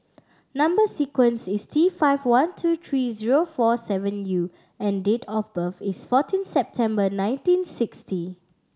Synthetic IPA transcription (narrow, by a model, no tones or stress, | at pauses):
nãmbəsikwə̃nsistʰifaɪvwãntʰut̪ʰɹiziɹofɔsɛvə̃nju | ɛ̃ndetʰɔfbəfisfɔtʰĩnsɛp̚tʰɛ̃mbənãɪ̃ntĩnsɪksti